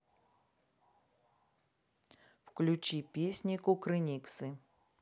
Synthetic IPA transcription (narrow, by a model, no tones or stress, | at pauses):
wklʲut͡ɕipʲisʲnʲikʊkɾɨnʲiksɨ